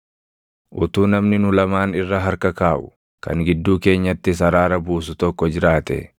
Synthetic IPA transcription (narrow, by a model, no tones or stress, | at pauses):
ʔʊt̪uːnɐmnɪnʊlɐmaːnɪrːɐɦɐɾkɐkaːʔʊ̥ | kʰɐ̰ŋɡɪd̪ːuːke̞ːɲːɐt̪ːɪs̬ɐɾaːɾɐbuːsʊt̪ɔkːɔd͡ʒɪɾaːt̪ɛ̰